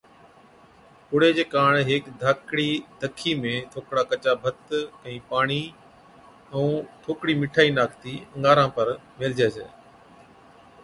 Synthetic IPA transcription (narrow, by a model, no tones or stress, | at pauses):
ʊɽ̤eːd͡ʒeːkaːɳɦeːkd̪ʱaːkɽiːd̪əkʰːiːmẽːt̪ʰoːkɽaːkət͡ʃaːbʱət̪ə̃ĩːpaːɳ̃iː | ɛũːt̪ʰoːkɽiːmɪʈʰaːiːnaːkʰt̪iːə̃ŋɡaːɾãːpəɾmɪld͡ʒeːsḛː